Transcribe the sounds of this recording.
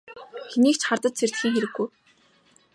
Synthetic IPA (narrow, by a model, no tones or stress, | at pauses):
xeniːkt͡ɕχart̪ə̆t̪̚t͡sʰer̥t̪xiːŋxeɾɘ̆ɡːuj